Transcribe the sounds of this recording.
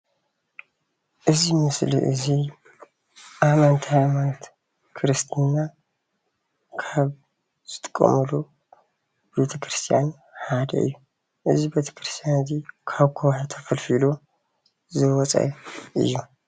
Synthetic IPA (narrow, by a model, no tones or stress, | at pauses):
ʔɨzimɨslḭʔɨ̰zi | ʔamant̪ʰiajmanot̪ | kʰɨɾɨst̪ʰnːa | kʰaβ | z̥ɨt̪ʼɨ̥kʼːɐ̰mɨlu | bɨbet̪ʰɐkɾɨst̪ʰijan | ħad̪ɐ̰ʔɨ̰jːu | ʔɨzibet̪ʰɐ̥kʰɾɨst̪ʰijanɨzikʰaβkʰowħat̪ʰɐ̥fɐlfilu | zɨwɔt͡sʼa̰jʔɨ̰jːu